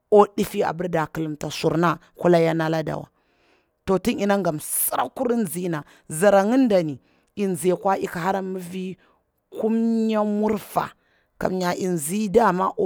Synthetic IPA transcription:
o˦di˦fi˦a̰˨bə˦ɾda˨ki˨lu˨mta˨su˨ɾna˦ | ku˦la˦ja˦na˦la˦da̰˨wa̰˨ | to˨ti˦ni˨na˦ŋɡa˨msa˦ɾa˦ku˦ɾi˦n˨zi˦na˨ | za˨ɾa˨ŋi˦n˦da˨ni˨ | i˨n˨ze˨kwa˦ʔi˦ka˨ha˦ɾa˦mi˦vi˦ | ku˦mɲa˦mu˦ɾfa̰˨ | ka̰˨mɲa˨ʔi˨n˨zi˦da˦˨ma̰˦ʔ

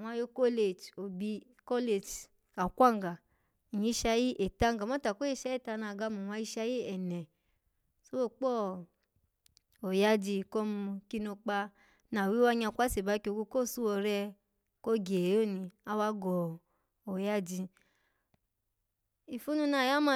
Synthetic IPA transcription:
wa˧˦jo˧˦ko˦le˨t͡ʃo˨bi˧ | kɔ˦le˨t͡ʃ | ka˨kʷa˦˨ŋ˨ɡa˨ | i˨ɲi˨˧˦ʃa˧˦ji˦ʔe˨ta˦ŋ˦ɡa˨ma˦ta˨ko˦je˦ʃa˦i˦˨ta˧na˧˨ɡa˧˦mu˨wa˧˦i˧ʃa˧˦ji˦ɛ˨nɛ˨ | so˦wo˦˨k͡pɔ˦ | o˨ja˦d͡ʒi˧kɔ˦mu˧ki˧˦no˧k͡pa˧ | na˨wi˦wa˧ɲ˦a˧˨kʷa˦se˨ba˨˦ko˧ɡo˧ko˦˨su˦wɔ˧ɾɛ˧ | ko˦ɡe˨jo˦˨ni˧a˧˦wa˧˦ɡɔ˨ | o˨ja˦d͡ʒi˧ | i˨fu˦nũ˧˦na˧˨ja˦ma˦˧

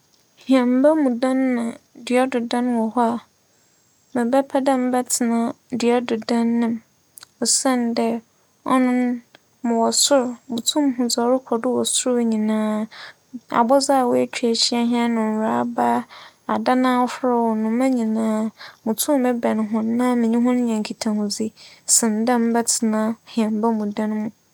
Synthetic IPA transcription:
hi˨ɛ̃˨m̩˦ba˦mũ˨dã˦nːã˨dɥɛ˦dʊ˨dã˦nwɔ˨hɔ˦a˨ | mɪ̃˨bɛ˦pʰɛ˦dɛ̃˦m̩˨bɛ˦tʰɪ˨nã˨ | dɥɛ˦dʊ˨dã˦nːɪ̃˨m | ɔ˨sɛ̃˦ndɛ˦ | ɔ̰˦nʊ̃˦n | mʊ̃˨wɔ˨sʊ˦ɾmʊ̃˨tʰũ˦m˦ɦʊ̃˨d͡za˨˦ɾʊ˦kʷʰɔ˨dʊ˦wɔ˨sʊ˦ɾɲĩ˨nãː˦ | a̰˨bɔ˦za˦a˨wɔ˦ɛ˦t͡ɕᶣʰɥæ˨ɕi˦a˦ɦã˦nʊ̃˨n˨a˨˦ba˦ | a˨da˦nãː˦wɔ˦fʊ˦ɾa˦wɔ˨nʊ̃˨mã˦ɲĩ˨nãː˦mʊ̃˨tʰũ˦m˨mɛ̃˦bɛ̃˨nɦʊ̃˦nːã˦mɪ̃˨ɲĩ˦ɦʊ̃˦n˦ɲã˨ŋ˨kʰi˨tʰã˨hʊ̃˨d͡zi˦sɪ̃˨n˨dã˦m˦bɛ˦tʰɪ˨nã˦hĩ˨ɛ̃˨mba˦mũ˨dã˦n˦mũ˦

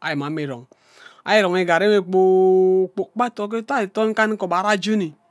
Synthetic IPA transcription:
a̰˨ji˨m˨a˨˦me˨ɾo̰˨ŋ | a̰˦ji˦ɾo˨ŋe˨ɡa˨ɾe˦me˦k͡po˦k͡po˨k͡pa˦to˨˦k̬e˦ta˦i˨to˦ŋ̩˦ka˦n˦ko˨ba˨˦ɾa˦d͡ʒu˦ni˨

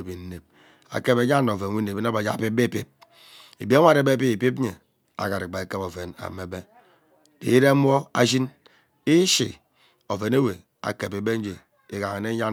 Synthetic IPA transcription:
bi˨n˦ne˨p̚ | a̰˨ke˦be˨˦ɲa˦nː˦o˨ve˨n˨wi˦ne˨e˦na˦ba˨d͡ʒa̰˦˨pi˦be˦˨pi˦p̚ | e˨bi˦a˦a˦˨ɾe˦be˦p̬i˦i˨pi˦pe˨ | a̰˨ka˨ɾi˨ba˨e˨ke˦po˨ve˨na̰˨me˨be˦ | ḭ˨˦ɾe˦mʷ˦o˦a̰˦ʃi˦n | i˦ʃḭ˨ | o˨ve˨ne˦we˨ | a̰˨ke˨pe˨be˦n˦d͡ʒe˨ | e˨ka˨ŋe˨ne˦ɲa˦

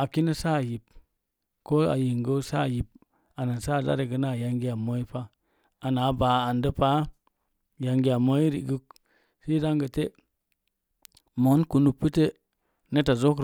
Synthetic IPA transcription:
a˨ki˦nə˦sa˦˨ji˨p | ko˦a̰˨ji˨ŋɡə˦sa˦˨ji˨p̚ | a˨na˨nsa˦˨da̰˦ɾe˨ɡə˨˦na˦˨ja˨ŋɡi˦a˨mo˦i˦pa˦ | a˨na˨˦baː˨a˨ndə˦pa˦ | ja˨ŋɡi˦a˨mo˦i˦ɾḭ˨ɡu˦k̚ | si˦da˦ŋɡə˨te˦ | mo˨˦nku˨nu˨pːə˦te˦ | ne˦ta˨zo˦kɾ

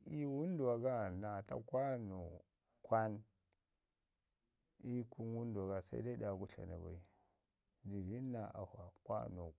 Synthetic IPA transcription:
i˦wu˦n˦du˨wa˨ɡa˦na˨ta̰˦kwa˦no˨ | kʰʷa˦n | i˦ku˦nwu˦ndu˨a˨ɡa˨sa̰˦ḭ˦da˦i˦ɗa˨ɡu˦ɬa̰˨na̰˨ba̰˨i˨ | di˨vi˦nːa˨ʔa̰˨ha˨kwa̰˦no˨

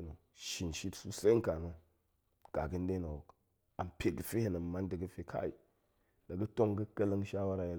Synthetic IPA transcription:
no˨ | ʃi˨nʃi˦tsu˦se˦ŋ˦ka˨no˦ | ɡ̥a˨ɡə˦n˦de˦no˨wo˨k | a˨mpʰe˨ɡə˦fe˦he˦nə˨m˨ma˦ndə˨ɡə˦fe˦kʰa̰˦i˨ | da˨ɡə˦to˦ŋɡə˦kə˦lə˦ŋʃa˦wa˦ɾa˨je˦˨

